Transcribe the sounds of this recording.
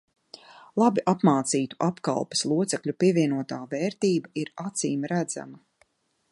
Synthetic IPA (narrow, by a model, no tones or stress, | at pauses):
lˠabiʔapmaːt̪siːt̪u̥ʔapka̰lˠpɐ̥slˠuɔt̪sɛkʎʲupiɛviɛnuɔt̪aːvɛːɾt̪iːbaiɾat̪siːmɾæd̪za̰mɐ